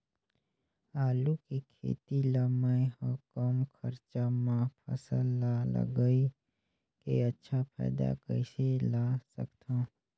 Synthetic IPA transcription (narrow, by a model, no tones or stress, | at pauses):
aːlukikʰḛːt̪ilaməɦɔkɔːmkʰəɾt͡ʃamãpʰə̰səlːalə̰ɡəi | keətːʃʰapʰɛ̰ːd̪a̰kəɪselasəkt̪ãː